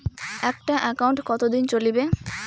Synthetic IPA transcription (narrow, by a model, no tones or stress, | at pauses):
ɛk̚ʈaʔɛkauɳʈkɔt̪od̪int͡ɕolibe